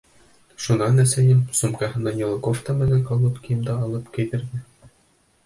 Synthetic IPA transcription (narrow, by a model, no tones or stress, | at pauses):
ʃunɑnæsæjɘmsumkɑhɤnɑnʲilˠkoft̪ɑmɘ̆næŋkɑlˠot̪kijɤ̆md̪ɑːlˠɤpkɘ̆jt̪ɘ̆ɾdɘ